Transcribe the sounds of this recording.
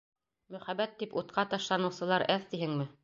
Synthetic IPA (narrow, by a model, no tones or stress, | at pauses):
mɵ̆χæbæt̪ːiput̪̚qʰɑt̪ɑʃlˠɑnɤ̆wsɤ̆lˠɑɾʔæθt̪iɦɘŋmɘ